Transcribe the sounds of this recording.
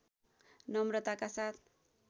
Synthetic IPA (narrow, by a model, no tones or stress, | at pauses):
nʌmrʌt̪akasat̪ʰ